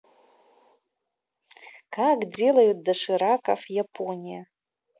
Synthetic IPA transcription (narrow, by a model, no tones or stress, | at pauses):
kʰaɡd͡zelajot̚daʂɨɾakʼa̰fjapʰonʲija